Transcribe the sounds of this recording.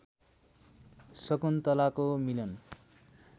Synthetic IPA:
sʌkunt̪ʌlakomilʌn

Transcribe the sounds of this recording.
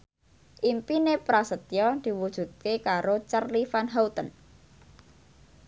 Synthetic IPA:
ʔimpinepɾasət̪jɔd̪̥i̤wud̥ʒ̥ṳt̪̚kekaɾot͡ʃərlifanɦawt̪ən

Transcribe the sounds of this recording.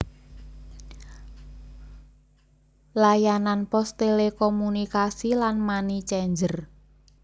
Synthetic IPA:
lajananpɔst̪elekomunikasilanmanit͡ʃɛɲd͡ʒər

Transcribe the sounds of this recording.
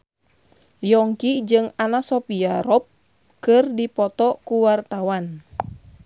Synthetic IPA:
jɔŋkid͡ʒɨŋanasɔpiaɾɔp̚ | kɨrdipɔt̪ɔkuwart̪awan

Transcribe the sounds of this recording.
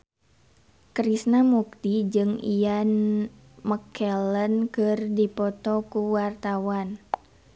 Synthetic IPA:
kɾisnamuk̚t̪id͡ʒɨŋijan | məkʰɛlənkɨrdipɔt̪ɔkuwart̪awan

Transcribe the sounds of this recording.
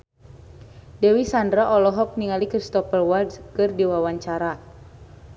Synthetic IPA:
dɛwisandɾaʔɔlɔɦɔk̚niŋalikɾist̪ɔpəlwardskɨrdiwawaɲt͡ʃaɾa

